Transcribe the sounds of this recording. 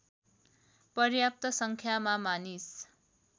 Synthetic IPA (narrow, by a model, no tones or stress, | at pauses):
pʌrjap̚t̪ʌsʌŋkʰjamamanis